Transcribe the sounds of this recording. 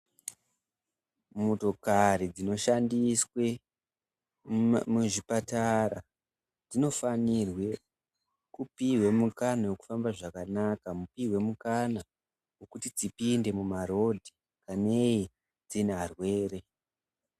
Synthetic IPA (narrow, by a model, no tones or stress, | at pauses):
moto̞kaɾid͡zino̞ʃandiswe̞ | muʐipataɾa | d͡zino̞fanirwe̞ | kupiwemukanawe̞ku̥fambaʐakanakamupiɦwe̞mukana | wo̞kutid͡zipinde̞mumaɾo̞dʱi | kane̞i | d͡zinearwe̞ːre̞